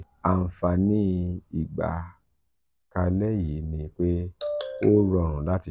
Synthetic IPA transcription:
a˨n̩˨fa˧˨nĩ˦i˦˨ɡ͡ba̰˨ | ka˧lɛ˦ji˨˦nĩ˧k͡pe˦o˦ɾɔ̃˧˨ɾ̃ũ˨la˦ti˨

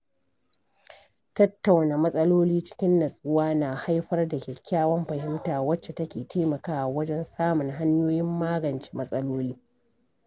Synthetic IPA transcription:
tɐ˦tːa˨wnaː˨mɐ˦sʼɐ˦loː˦liː˦t͡ʃɪ̥˦kʲɪ˦nːɐ˨sʼʊ˦waː˦naː˨ha˦jɸɐ˦rda˨kʲɪ˨kʲaː˦wɐ˦mɸɐ˨hɪ˦mtaː˨wɐ˦t͡ʃːe˨tɐ˦kʲeː˨tʰeː˦mɐ˨kaː˦ʔa˨wɐ˦d͡ʒɛ˦nsaː˦mʊ˨ŋɦa˦ɲjoː˦jɪ˦mːaː˦ɡɐ˨nt͡ʃi̥ː˦mɐ˦sʼɐ˦loː˦liː˦

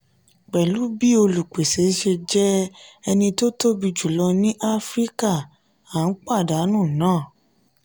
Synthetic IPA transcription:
k͡pɛ˨lu˨˦bi˦o˧lu˨k͡pe˨se˨˦ʃe˧d͡ʒɛ˦ɛ˧nĩ˧to˦to˦bi˧d͡ʒu˨lɔ˧nĩ˦ʔa˦fɾi˦ka˦˨ | a˨˦n̩˦k͡pa˦˨da˨˦nũ˦˨nãː˦˨

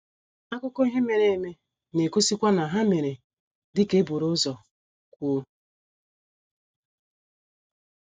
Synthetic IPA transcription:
a˦kʊ˦ko˦i˦ɦe˦me˨ɾe˦˨me˦ | ne˨ko˦si˦kʷa˦na˨ɦa˦me˨ɾe˨ | dɪ˦ke˦bu˨ɾʊ˦zɔ˨ | kʷu˦o˦

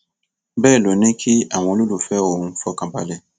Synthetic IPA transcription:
bɛː˦˨lo˨ni˦kʰi˦a˨mo˨lu˦lu˨fɛ˦o˨˦fɔ˦kã˨ba̰˦le˨

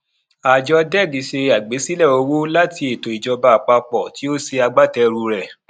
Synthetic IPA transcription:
a˨d͡ʒɔ˧dɛ˦˨ɡi˨˦ʃe˧a˨ɡ͡be˨˦si˦lɛ˦˨o˧wo˦la˦ti˧e˨to˨i˨d͡ʒɔ˧ba˧˨k͡pa˧k͡pɔ˨ti˨˦o˦se˧a˧ɡ͡ba˦tɛ˧ɾu˧ɾɛ˨

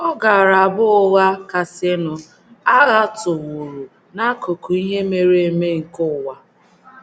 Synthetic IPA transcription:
ɔ˦ɡa˨ɾa˨bʊ˦ʊ˦ɣa˦ka˨se˦nʊ˦ | a˦ɣa˦tʊ˨wo˨ɾu˨ | na˦ko˨ku˨i˦ɲe˦me˦ɾe˨e˨me˦ŋ̩˨kʊ˦˨wa˨

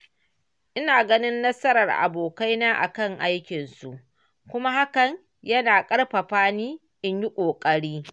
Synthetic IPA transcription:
ʔɪ˦naː˨ɡɐ˦nɪ˦nːɐ˦sɐ˦ɾɐ˨rʔa̰˨boː˨ka˦jnaː˦ʔa̰˨kɐ˦˨ŋʔa˦jkʲɪ˨nsu˨ʔ | kʷʊ˦ma˦ha˦kɐ˨ɲ | jɐ˦naː˨kʼɐ˦ɽɸɐ˨ɸaː˦niː˦ | ʔɪ˦ɲji˦kʷʼoː˨kʼɐ˦ɽiː˦

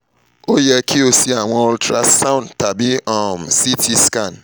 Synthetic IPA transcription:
o˦jɛ˦kʰi˦o˦si˦a˨w̃ɔ̃˦ɔ˦ltɾa˦sã˦ʊ̃˦nta˨bi˦ɔ˦˨msi˦tʰi˦ska˨n

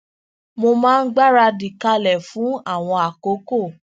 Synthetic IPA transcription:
mo˧mãː˦˧n̩˦ɡ͡ba˦ɾa˧di˨ka˧lɛ˨fũ˨˦a˦˨w̃ɔ̃˧a˨ko˨˦ko˦˨

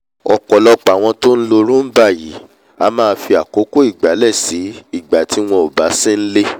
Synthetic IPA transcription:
ɔ˧kɔ˨lɔ˦k͡pa˨w̃ɔ̃˧to˦n̩˦lo˧ɾũ˦n̩˦ba˦˨ji˨˦ | a˧mãː˦˧˦fi˧a˨ko˨˦ko˦i˦˨ɡ͡ba˨˦lɛ˦˨si˨˦i˦˨ɡ͡ba˨tʰi˨˦w̃ɔ̃˧˦o˨ba˨˦si˦n̩˦le˦

